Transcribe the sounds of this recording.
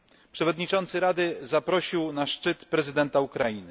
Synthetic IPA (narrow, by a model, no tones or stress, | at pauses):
pʂɛvɔd̪ɲit͡ʂɔnt̪sɘɾad̪ɘzapɾɔɕiwnaʂt͡ʂɘt̪pɾɛzɘd̪ɛnt̪aukɾajinɘ